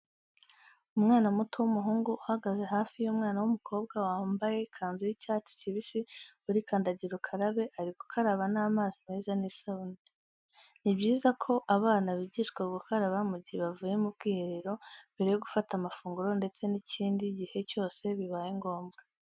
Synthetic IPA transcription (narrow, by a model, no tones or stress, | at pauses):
umŋaːnamuto̞wumuɦuːŋɡuʔuhaɡaze̞ɦaːfijumŋaːnawumukʰo̞ːb̚ɡawaːmbaje̞kʰaːnzujicaːt͡si̥ciβisiuɾikʰaːndaɟiɾokʰaɾaβe̞ʔaɾiku̥kʰaɾaβanaːmaːzime̞ːzaniːsaβune | nibɟiːzakʰo̞ʔaβaːnaβiɟiʃkwaɡukaɾaβamuɟiβavuːjemub̚ɡiːhe̞ɾe̞ɾo̞mbe̞ɾe̞joɡufatamafuːŋɡuɾo̞nde̞t͡se̞niciːndiɟihe̞co̞ːse̞βiβaːjiŋɡo̞ːmɡa